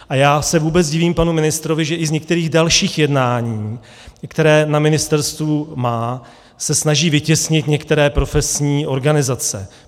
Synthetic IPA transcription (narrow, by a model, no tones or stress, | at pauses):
ʔajaːsɛvuːbɛt͡sɟɪviːmpanumɪnɪst̪ɾovɪʒɛʔɪzɲɛkt̪ɛɾiːɣdalʃiːxjɛdnaːɲiː | kt̪ɛɾɛːnamɪnɪst̪ɛɾst̪vumaː | sɛsnaʒiːvɪcɛsɲɪt̪ɲɛkt̪ɛɾɛːpɾo̞fɛsɲiːʔo̞ɾɡanɪzat͡sɛ̰